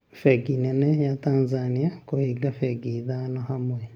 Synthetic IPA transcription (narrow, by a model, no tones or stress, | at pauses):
fɛɡinɛnɛjat̪anzanijakohiɡafɛɡid̪anɔɦamoi